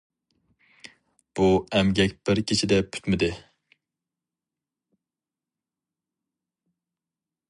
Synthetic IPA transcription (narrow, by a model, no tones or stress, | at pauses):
b̥uɛmɡʲɛk̚ʲb̥ɪɾkʲʰit͡ʃʰid̪ɛpʰy̥t̪mɪd̪ɪ